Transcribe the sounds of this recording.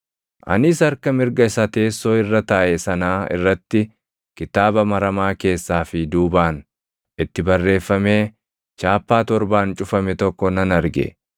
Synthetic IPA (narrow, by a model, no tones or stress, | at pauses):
ʔɐ̰nɪsɐɾkɐmɪɾɡɐɪsɐt̪e̞ːsːo̞ːɪrːɐt̪aːʔɛsɐnaːɪ̰rːɐt̪ːɪ | kɪt̪aːbɐmɐɾɐmaːke̞ːsːaːfɪd̪uːbaːn | ɪt̪ːɪbɐrːe̞ːfːɐme̞ː | t͡ʃaːpːaːt̪ɔɾbaːnt͡ʃʼʊfɐmɛt̪ɔkːɔnɐnɐɾɡɛ̰